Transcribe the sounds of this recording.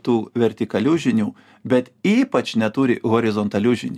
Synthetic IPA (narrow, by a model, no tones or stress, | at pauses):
t̪uːʋʲɛɾʲt̪ʲɪkɐlʲuʒʲɪnʲuː | bʲɛt̪iːpɐt͡ʃnʲɛt̪ʊɾʲɪɣoːɾʲɪzɔnt̪ɐlʲʊʒʲɪnʲː